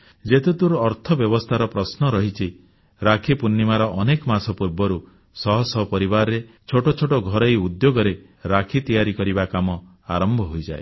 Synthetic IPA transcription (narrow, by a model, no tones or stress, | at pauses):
d͡ʒet̪et̪uɾɔɾt̪ʰɔbjɔbɔst̪ʰaɾɔpɾɔsnɔɾɔɦit͡ʃʰi | ɾakʰipunːimaɾɔʔɔnekɔmasɔpuɾbɔɾu | sɔɦɔsɔɦɔpɔɾibaɾɔɾe | t͡ʃʰoʈot͡ʃʰoʈɔɡʱɔɾejud̪joɡɔɾe | ɾakʰit̪ijaɾikɔɾibakamɔ | a̰ɾɔmbʱɔɦojd͡ʒae